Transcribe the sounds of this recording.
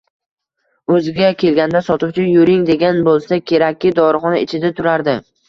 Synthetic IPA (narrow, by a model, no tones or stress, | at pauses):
ɵzɪɡʲakʲʰe̞lɡʲand̪asɒt̪ʰɪʊt͡ʃʰʊnjʊɾɪŋd̪e̞ɡʲanbolˠsakʲʰe̞ɾakʲʰːɪd̪ɒɾχɒnaɪt͡ʃʰɪd̪at̪ʰʊɾaɾd̪ɪ